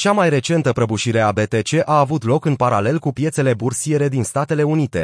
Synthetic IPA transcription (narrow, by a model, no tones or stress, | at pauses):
t͡ʃamajre̞t͡ʃe̞nt̪əpɾəbuʃiɾe̞abe̞t̪e̞t͡ʃe̞ʔaːvut̪lo̞kɨnpaɾale̞lkupije̞t̪se̞le̞bursije̞ɾe̞d̪inst̪at̪e̞le̞unit̪e̞̰